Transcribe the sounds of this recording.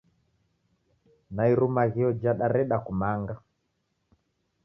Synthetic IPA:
naiɾumaɣiɔd͡ʒaɗaɾɛɗakumaŋɡa

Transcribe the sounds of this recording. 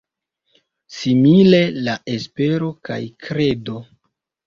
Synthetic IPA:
simile̞laʔe̞spe̞ɾo̞ka̰jkɾe̞do̞

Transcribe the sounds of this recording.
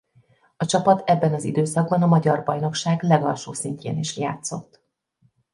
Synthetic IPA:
ɒt͡ʃɒpɒt̪ʰɛbːɛnɒzḭd̪øːsɒɡ̚bɒnɒmɒɟɒrbɒjno̞kʃaːɡlɛɡɒlʃoːsiɲcḛːniʃja̰ːt̪so̞t̪ː

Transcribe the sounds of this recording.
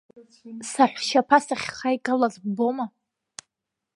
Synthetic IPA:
saħᶣʷʃapʰasaχʲχajkʼalazboma

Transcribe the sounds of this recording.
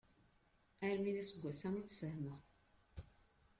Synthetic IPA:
æɾminæsəɡʷːæsæŋit͡sːfəhməʁ

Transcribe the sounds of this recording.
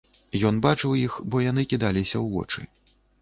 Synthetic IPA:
jɔn̪bat͡ʂɨwjixbɔjan̪ɨkʲid̪alʲisʲɐwvɔ̰t͡ʂɨ̰

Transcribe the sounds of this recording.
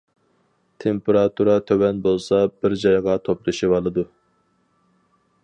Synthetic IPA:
t̪ʰempeɾɑt̪ʰuɾɑt̪ʰøwɛnbolˠsɑbɪɾd͡ʒɑjʁɑt̪ʰoplˠɨʃibɑlˠɨd̪u

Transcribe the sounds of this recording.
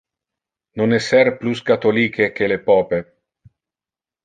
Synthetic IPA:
nonɛsɛɾpluskat̪oliːkekelepɔːpe

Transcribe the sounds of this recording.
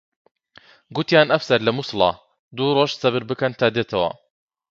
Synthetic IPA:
ɡut̪jaːnʔɐfsɐɾlɐmuslɑ̰ | d̪uroʒsɐbɨɾbɨkɐnt̪ʰaːd̪eːt̪ʰɐwɐ̰

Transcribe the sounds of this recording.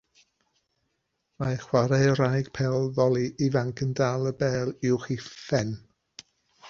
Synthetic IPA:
majχwaɾajəɾajɡ̥pʰɛlˠðɔlˠiʔivaŋkʰəndaːlˠəbɛːlˠɪwχifɛn

